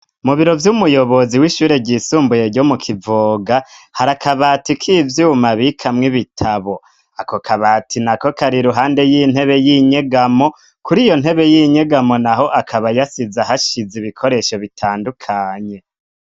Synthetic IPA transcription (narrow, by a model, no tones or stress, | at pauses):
umuβiɾo̞vjumujo̞βo̞ziwiʃuːɾe̞ɟisuːmbuje̞ɾɟo̞mukʰivoɡahaɾakʰaβaːtikʰivjumaβikʰamŋiβitʰaβo̞ | akokʰaβaːtʰinako̞kʰaɾiɾuɦaːnde̞jin̥he̞βe̞jiɲe̞ɡamo̞ | kuɾijo̞n̥he̞βe̞jiɲe̞ɡamo̞naɦo̞ʔakʰaβajasizahaʃiziβikʰo̞ɾe̞ʃo̞βitʰaːndukʰaːɲe̞